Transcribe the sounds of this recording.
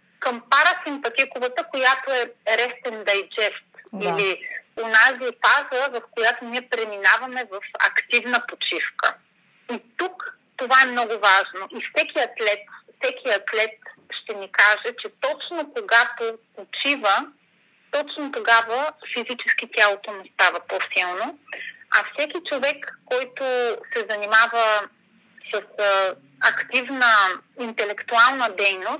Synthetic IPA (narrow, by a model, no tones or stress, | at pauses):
kəmpaɾəsimpɐt̪ikʊvət̪əkojat̪oɛɾɛst̪ɛnd̪ɐjd͡ʒɛft̪ilionazifazəvɐfkojat̪oniɛpɾɛminavɐmɛvɐfɐ̰kt̪ivnəpot͡ʃifkə̰ | it̪uk | t̪ovaɛmnɔɡʊvaʒnoʔifsɛkʲiɐk̪lɛt̪fsɛkʲiɐk̪lɛt̪̚ʃt̪ɛnikaʒɛt͡ʃɛt̪ɔt͡ʃnokoɡat̪o | ot͡ʃivə | t̪ɔt͡ʃnot̪oɡavəfizit͡ʃɛsk̟it̪ʲjalˠot̪onɛst̪avɐposilˠnoɐ̰fsɛkʲit͡ʃovɛkːɔjt̪osɛzɐnimavə | səs | ɐkt̪ivnəint̪ɛlɛkt̪ualˠnəd̪ɛjnos